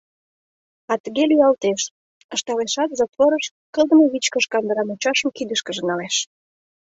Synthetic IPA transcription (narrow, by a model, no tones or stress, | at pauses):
ɑt̪əɣelyɑlt̪eʃ | ə̆ʃt̪ɑleʃɑt̪zot̪βoɾəʃ | kəld̪ə̆məβit͡ɕkəʃkɑnd̪əɾɑmut͡ɕɑʃəmkid̪əʃkə̆ʒə̆nɑleʃ